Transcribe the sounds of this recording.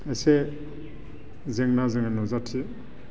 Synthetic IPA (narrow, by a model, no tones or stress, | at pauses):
ese | zeŋnazeŋanɔzatʰi